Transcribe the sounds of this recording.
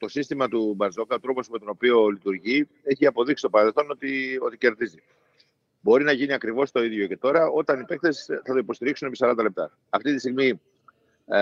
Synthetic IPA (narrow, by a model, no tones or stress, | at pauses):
t̪o̞sist̪imɐt̪ubɐnzo̞kɐo̞t̪ɾo̞po̞sme̞t̪o̞no̞pio̞lit̪uɾʝi | e̞çiɐpo̞ðiksi̥st̪pɐɾɐðelθo̞no̞t̪io̞t̪ice̞ɾðizi | bo̞ɾinɐʝiniɐkɾivo̞st̪o̞iðʝo̞ce̞t̪o̞ɾɐo̞t̪ɐnipe̞kθe̞sθɐt̪o̞ipo̞st̪iɾiksune̞pisɐɾɐnd̪ɐle̞p̚t̪ɐ | ɐft̪it̪ist̪iɣmi